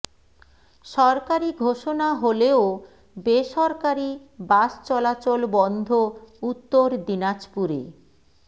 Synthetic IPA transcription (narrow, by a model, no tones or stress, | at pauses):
ʃɔɾkaɾiɡʱoʃonaɦoleo | beʃɔɾkaɾibaʃt͡ɕɔlat͡ɕolbɔnd̪ʱout̪ːoɾd̪inat͡ɕpuɾḛ